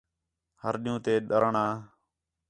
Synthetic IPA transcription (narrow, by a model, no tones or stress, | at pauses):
həɾɗɪ̃jũːt̪eːɗəɾɳaː